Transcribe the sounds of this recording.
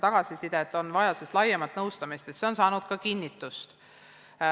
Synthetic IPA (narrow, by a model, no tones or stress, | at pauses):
t̪ɑɡ̥ɑsisid̪et̪ːˑo̞nvɑjɑsest̪lɑjːemɑt̪ːnɤwst̪ɑmist̪e̞t̪se̞o̞nsɑːnud̪̥kɑkinʲːit̪ːˑust̪